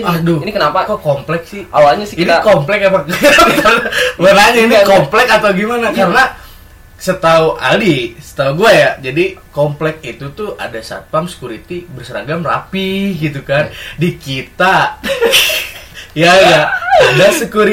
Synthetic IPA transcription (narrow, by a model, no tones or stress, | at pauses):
adɔinikənaakokomplɛk̚sɪhalaɲasɪinikomplɛkapakbisalbanaɲainikomplɛkat̪awɡimanakaɾəna | sət̪auʔa̰lisə̥t̪auɡuajad͡ʒadikomplɛk̚it̪ut̪ua̰dasa̰p̪amsə̥kuɾit̪ibərsəɾa̰ɡamra̰piɡit̪̬ukandikit̪a | jajaudasəkuɾi